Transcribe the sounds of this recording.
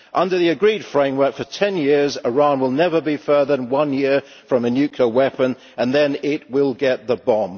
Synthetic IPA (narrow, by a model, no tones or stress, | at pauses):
ʔʌ̃ndə˞ðiɨɡɹid̥fɹẽɪ̃mwɜ˞kfətʰɛ̃njɪɹzəɹɑ̃nwɪlˠnɛvəbifɜ˞ðənwʌ̃njɪɹ | fɹʌ̃mɨnjʉkʰləwɛpə̃n | ə̃nðɨ̃nɪt̚wɪlˠɡɛt̪̚ðəbɒ̃m